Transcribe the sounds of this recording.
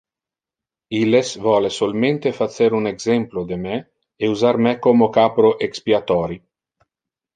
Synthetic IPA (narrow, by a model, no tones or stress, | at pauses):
ilesvɔlesolment̪efat̪seɾuneɡzɛmplod̪emɛː | uzaɾmɛkomokaːpɾoʔekspiat̪ɔːɾi